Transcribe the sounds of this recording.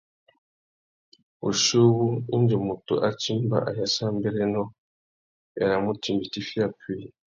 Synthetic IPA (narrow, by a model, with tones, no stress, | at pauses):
u˨ʃo˦wu˦i˦nd͡ʒi˨mu˨tṵ˨ʔa˦t͡ʃi˦mba̰˨ʔa̰˨ja˨sa˦m˦be˦ɾe˦nɔ˦ | e˨ɾa˨mu˦ti˨mbi˨ti˦fi˦a˦pi˦˨